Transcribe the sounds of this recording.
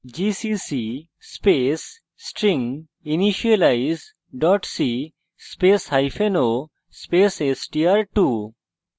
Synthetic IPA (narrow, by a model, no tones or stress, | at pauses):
d͡ʒisisi | spesː | ʈɾiŋ | iniʃialajz | ɖɔʈsi | speshajfʰeno | spesesʈiaɾʈu